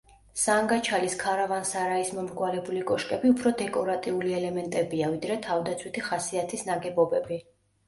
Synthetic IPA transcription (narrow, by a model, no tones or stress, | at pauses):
saŋɡat͡ʃʰaliskʰaɾavansaɾaismɔmɾɡwalɛbulikʼɔʃkʼɛbiupʰɾɔd̪ɛkʼɔɾat̪ʼiuliɛlɛmɛnt̪ʼɛbiavid̪ɾɛt̪ʰavd̪at̪sʰwit̪ʰiχasiat̪ʰisnaɡɛbɔbɛbi